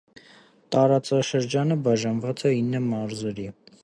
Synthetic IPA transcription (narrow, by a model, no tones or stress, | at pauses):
t̪ɑɾɑt͡sɑʃəɾd͡ʒɑnəbɑʒɑnvɑt͡sɛinːəmɑɾzɛɾi